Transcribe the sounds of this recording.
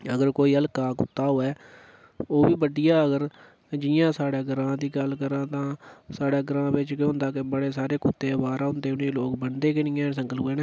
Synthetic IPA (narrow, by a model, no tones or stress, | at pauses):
əɡəɾkoːiːəlkaːkʊ̰t̪ːaːɦoːɛː | oːbiːbəɖɪjaːəɡəɾ | d͡ʒɪjãːsaːɽaːɡəɾãːd̪iːɡəlkəɾãːt̪ãːsaːɽaːɡəɾãːbɪt͡ʃkeɦʊ̃nd̪aːkɪbəɽeːsaːɾeːkʊt̪ːeːbaːɾaːɦʊ̃nd̪eːʊneːloːkbəɳd̪eːkɪnɪjãːs̬əŋɡəlueːnɛː